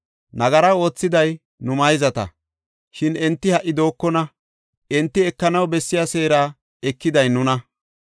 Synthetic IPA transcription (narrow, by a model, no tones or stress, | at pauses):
nɐɡɐɾɐwo̞ːt͡sːɪd̪ɐj | nʊmɐjzɐt̪ɐ̰ | ʃɪnɛnt̪ːɪhɐʔːɪd̪o̞ːkːɔnɐ | ʔɛnt̪ːɪɛkːɐnɐwbɛsːɪjaseːɾaː | ɛkːɪd̪ɐjnʊnɐ